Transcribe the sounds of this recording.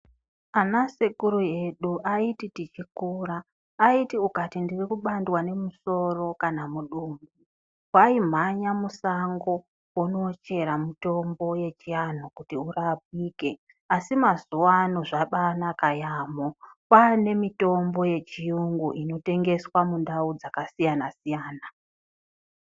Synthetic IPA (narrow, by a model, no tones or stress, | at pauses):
anasekuɾuje̞ɗuʔaititit͡ʃikuːɾaː | itiukatindirikuɓandwane̞muso̞ro̞kanamuɗuːmu | waim̤aɲamusaŋɡo̞ | wuno̞t͡ʃe̞ɾamito̞mbo̞je̞t͡ʃian̤okutiurap̚iːke̞ | asimazuwanoʐaɓanakajamopane̞mito̞mbo̞je̞t͡ʃijuŋɡuʔino̞te̞ŋɡe̞swamundaud͡zakasijanasijaːna